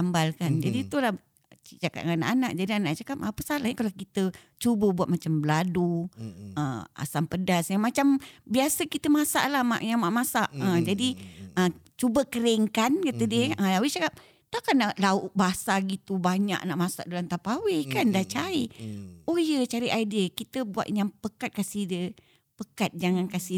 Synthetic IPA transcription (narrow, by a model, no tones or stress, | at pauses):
ambalkand͡ʒadit̪ulah | t͡ʃaka̰t̪ŋana̰ʔanaʔd͡ʒadianaʔt͡ʃakap̚apəsalahɲəkalakit̪ə | t͡ʃubəbuat̪̚mat͡ʃambəladu | ə̰a̰sampədasjaŋmat͡ʃambiasəkit̪əmasa̰ʔlahma̰ʔjaŋmaʔmasaʔəd͡ʒadiʔət͡ʃubəkəɾeŋkankat̪ədiəəawɪt͡ʃakap̚ | t̪akanaʔlauʔbaasaɡit̪ubaɲa̰ʔna̰ʔmasa̰ʔdolant̪apawɪkandaht͡ʃaiojət͡ʃaɾɪʔaidəkit̪əbua̰t̪̚ɲaŋpəkat̪̚kasidə | pəkat̪̚d͡ʒaŋankasi